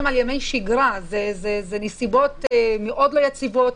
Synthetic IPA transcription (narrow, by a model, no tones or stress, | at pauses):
maljame̞jʃiɡʁazezezenesibo̞tmeʔo̞dlojat͡sivo̞t